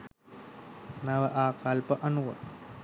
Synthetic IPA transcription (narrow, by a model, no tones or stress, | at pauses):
naʋəʔaːkalpəʔanuʋə̰